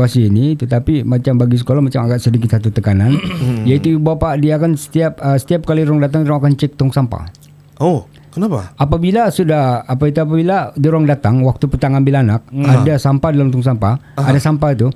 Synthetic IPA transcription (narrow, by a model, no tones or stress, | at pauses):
asiːnit̪ut̪apimat͡ʃambaɡis̬ə̥kolahmat͡ʃamaɡaʔsədikɪt̪̚sat̪ut̪əkananjait̪ubawpaʔdiakansə̥t̪iap̚əsə̥t̪iap̚kaliɾɔŋdat̪aŋdɾɔŋakant͡ʃɛk̚t̪ɔŋsampa̰ | o | kənapaapabilasudahapait̪̬uap̬abiladiɾɔŋdat̪aŋwak̚t̪upət̪aŋambɪlanak̚adasampadalamt̪uŋs̬ampa | adasampait̪u